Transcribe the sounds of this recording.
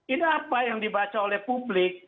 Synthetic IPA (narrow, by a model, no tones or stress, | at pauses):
idapajɔŋdibat͡ʃaɾɛpublik